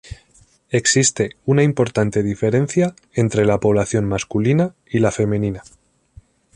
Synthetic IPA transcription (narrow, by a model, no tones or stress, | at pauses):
e̞ksist̪e̞unaimpo̞ɾt̪ant̪e̞ðife̞ɾẽ̞n̟θja | ent̪ɾe̞lapo̞β̞laθjo̞nmaskulina | ilafe̞mẽ̞nina